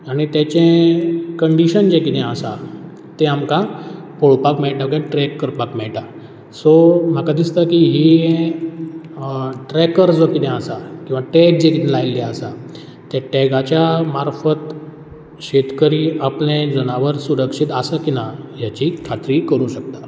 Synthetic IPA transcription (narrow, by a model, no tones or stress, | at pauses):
aɽ̃it̪jat͡ɕẽkəɳɖiɕənd͡ʑekit̪ɛ̃asa̰ | t̪eamkãpoɭpakmɛɭʈakãʈɾɛkːəɾpakmɛɭʈa | som̤akad̪ist̪akiɦiẽ | ʈɾɛkəɾd͡zokit̪ʰɛ̃asakĩw̃ʋaʈɛk̚d͡ʑekit̪ɛ̃lajlːɛəsa | t̪jaʈɛɡat͡ɕjamaɾfət̪ | ɕet̪kəɾiːaplẽd͡zənaʋəɾsuɾəkʂit̪asakinaɦjat͡ɕikʰat̪ɾiːkəɾũːɕək̚t̪a